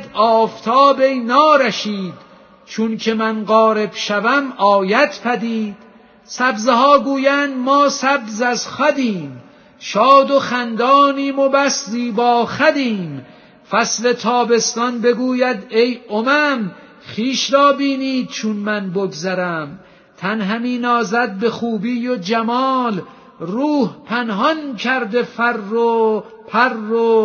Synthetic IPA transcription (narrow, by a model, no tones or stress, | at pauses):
ɒːft̪ʰɒːbejnɒːɾæʃiːd̪̥ | t͡ʃʰunkʰe̞mænɢɒːɾe̞b̥ʃævæmɒːjæt̪pʰæd̪iːd̪̥ | sæbzehɒːɡuːjæːnd̪mɒːsæbzæzχæd̪iːm | ʃɒːd̪oxænd̪ɒːniːmobæsziːbɒːxæd̪iːm | fæsle̞t̪ʰɒːbe̞st̪ɒnbe̞ɡuːjæd̪e̞jʔomæm | χiːʃɾɒːbiːniːd̪̥̚t͡ʃʰunmænboɡzæɾæm | t̪ʰænɦæmiːnɒːzæd̪̚be̞χuːbiːjod͡ʒæmɒːl | ruːhpʰænɦɒnkʰæɾd̪e̞fæɾːo | pʰærːo